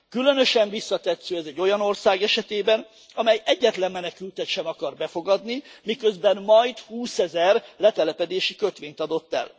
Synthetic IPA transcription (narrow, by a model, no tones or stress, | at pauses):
kylø̞nø̞ʃɛɱvisːɒt̪ɛt̪søːɛzɛɟːo̞jɒno̞rsaːɡɛʃɛt̪eːbɛn | ɒmɛjɛɟːɛt̪lɛmːɛnɛkylt̪ɛt̪ʃɛmɒkɒrbɛfo̞ɡɒd̪nimikø̞zbɛnmɒjt̪huːsɛzɛrlɛt̪ɛlɛpɛd̪eːʃikøt̪ʋeːɲt̪ɒd̪o̞t̪ːɛ̰l